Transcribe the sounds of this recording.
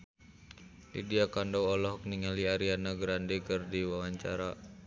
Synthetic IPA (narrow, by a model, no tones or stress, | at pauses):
lḭdiakandawɔlɔɦɔk̚niŋaliaɾianaɡɾandɛkərdiwawaɲt͡ʃa̰ɾa